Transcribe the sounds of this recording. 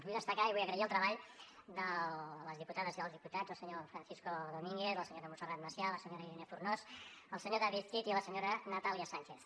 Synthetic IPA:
βujðəst̪əkaiβujəɣɾəiəlˠt̪ɾəβaʎ | d̪ələzðiput̪aðəziðəlˠðiput̪ad͡zəlˠsəɲofɾənθiskoðomiŋɡeθəlˠsəɲoɾðəmunsərat̪̚məsjaləsəɲoɾəilinefurnos | əlˠsəɲoðaβit̪kit̪iləsəɲoɾənət̪aliəsaɲʲt͡ʃeθ

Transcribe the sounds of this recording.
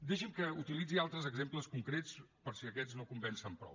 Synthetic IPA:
d̪eʃimkəut̪ilid͡zialˠt̪ɾəzəɡzempləskuŋkɾet͡spəɾsiəkɛd͡znokumbɛnsəmpɾɔ̰w

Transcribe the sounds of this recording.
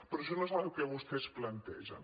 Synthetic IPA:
pɾɔʃ̬ɔnos̬aβɛwkɛβust̪ɛsplɐnt̪ɛ̰ʒə̰

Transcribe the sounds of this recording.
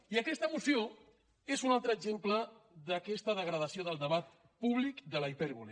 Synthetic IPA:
iəkɛst̪əːmusio | ezunalˠt̪ɾəːɡzempləðəkɛst̪əðəɣɾəðəsioðəlˠd̪əβat̪ | puβlikd̪ələipɛɾβulḛ

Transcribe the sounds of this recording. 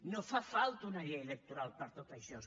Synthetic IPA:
nofafalt̪unaʎejelek̚t̪uɾalpəɾt̪ot̪aʃos

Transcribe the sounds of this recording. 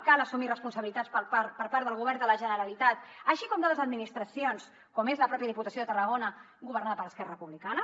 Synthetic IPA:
kalˠəsumirəspunsəβilit̪atspəpaɾpəɾpaɾðəlˠɣuβɛɾnd̪ələʒənəɾəlit̪at̪əʃikɔmd̪ələzəd̪minist̪ɾəsions | kɔmezləpɾɔpjəðiput̪əsjoðət̪ərəɣ̞onə | ɡuβəɾnaðəpəɾəskɛrəəpuβlikanə

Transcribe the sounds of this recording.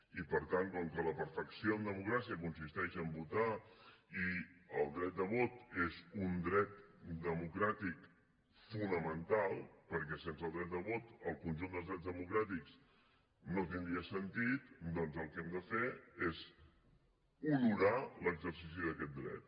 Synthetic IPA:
ipəɾt̪ankɔŋkələpəɾfəksioəmd̪əmukɾasiəkunsist̪ɛʃəmbut̪aiəlˠd̪ɾɛt̪̚d̪əβot̪ezund̪ɾɛt̪d̪əmukɾat̪ik | funəmənt̪alˠpəɾkɛsensəlˠd̪ɾɛt̪̚d̪əβot̪əlˠkunʲʒund̪əlˠzðɾɛzðəmukɾat̪iks | not̪ind̪ɾiəsənt̪it̪d̪ɔnzəlˠkɛmd̪əfeez | uluɾaləɡzərsis̬iðəkɛt̪̚d̪ɾɛ̰t̪̚

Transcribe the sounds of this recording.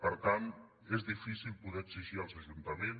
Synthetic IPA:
pəɾt̪ant̪ | ezðifisilˠpuðɛəksiʒiəlˠzəʒunt̪əmen

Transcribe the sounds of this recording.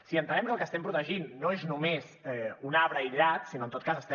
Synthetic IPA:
siənt̪ənɛmkəlˠkəst̪ɛmpɾut̪əʒinːoeznumezɛunaβɾəiʎat̪sinoənt̪ot̪kazəst̪ɛ

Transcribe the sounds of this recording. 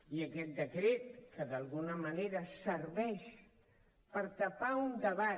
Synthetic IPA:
iəkɛt̪̚d̪əkɾet̪̚kəðalˠɣunəməneɾəsəɾβɛʃ | pəɾt̪apaund̪əβa

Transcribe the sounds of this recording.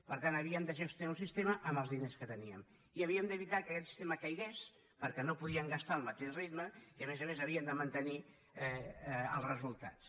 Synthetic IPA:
pəɾt̪anəβ̞iəmd̪əʒəst̪uaũsist̪eməʔəmbəlˠzðineskət̪əniəm | iəβiəmd̪əβit̪akəkɛt̪si̥st̪eməkəjɣes | pəɾkɛnopuðiəŋɡəst̪aəlˠmət̪eʃrid̪məiəmezəmezəβiənd̪əmənt̪əni | ɛə̰lˠrəzulˠt̪a̰s

